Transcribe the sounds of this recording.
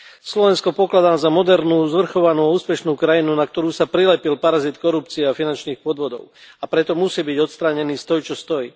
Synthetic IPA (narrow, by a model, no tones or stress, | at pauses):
slɔʋɛnskɔpɔklad̪aːzamɔd̪ɛɾnuːzʋr̩xɔʋanuːauːspɛʃnuːkɾajinunak̚t̪ɔɾuːsapɾilɛpilpaɾazit̪kɔɾupt͡siɛafinant͡ʃniːxpɔd̪ʋɔd̪ɔ̰ʊ | apɾɛt̪ɔmusiːbiɟɔt̪st̪ɾaːɲɛniːst̪ɔjt͡ʃɔst̪ɔjiː